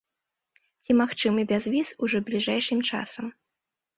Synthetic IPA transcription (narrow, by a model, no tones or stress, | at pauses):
t͡sʲimaxt͡ʂɨmɨbʲazvʲizuʐɔblʲiʐajʂɨmt͡ʂa̰sɐm